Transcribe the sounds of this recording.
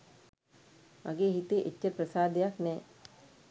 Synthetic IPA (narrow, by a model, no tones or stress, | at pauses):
ɐ̰ɡeːɦit̪eʔecːəpɾəsaːd̪ejaknɛː